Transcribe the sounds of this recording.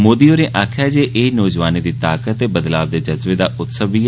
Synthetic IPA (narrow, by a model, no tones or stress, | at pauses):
moːd̪iːoːɾeːʔaːkʰjaːd͡ʒeːʔɪːnɔːd͡ʒʋaːniːd̪iːt̪aːkət̪ːeːbəd̪laːb̚d̪eːd͡ʒəzʋeːd̪aːʊt̪səbiː